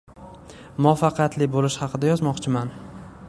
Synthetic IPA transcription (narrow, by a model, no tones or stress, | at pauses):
mʊɒfɑqʰjat̪lɪbolɪʃhɑqʰɨd̪ajɒzmɒqt͡ʃʰɪman